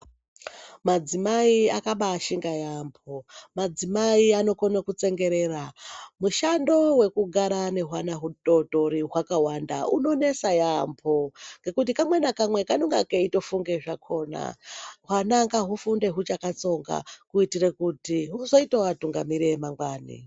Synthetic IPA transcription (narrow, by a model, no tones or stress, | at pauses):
mad͡zimaiakaɓaːʃiŋɡajampʰo̞mad͡zimaiano̞konakut͡se̞ŋɡe̞ɾe̞ramuʃando̞we̞kuɡʱaɾane̞ɦwanaɦudo̞to̞ɾiɦwakawanda̰uno̞ne̞sajampʰoŋɡe̞kut̬ikamwenakamwe̞kanoŋɡakeito̞fuŋɡe̞ʐakʰo̞ːna̰ɦwanaŋɡaɦufunde̞ɦut͡ʃakat͡so̞ŋɡa̰kuitire̞kutiɦuzo̞itawatuŋɡamiɾemaŋɡwaːnḭ